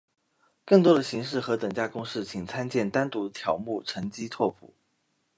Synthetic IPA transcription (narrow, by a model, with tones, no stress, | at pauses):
kɤ˥˩ŋt̪wɔ˥d̪ə˨ɕi˧˥ŋʂ̬ɻ̩˥˩xɤ˧˥t̪əɤ˨˩ŋt͡ɕja˥˩kʊ˥ŋʂɻ̩˥˩t͡ɕʰi˨˩ŋt͡sʰa˥nt͡ɕjɛ˥˩nt̪a˥nt̪u˧˥t̪ʰjɑ˧˥ʊmu˥˩ʈ͡ʂʰɤ˧˥ŋt͡ɕi˥t͡s̪ʰwɔ˥˩pʰṵ˨˩˦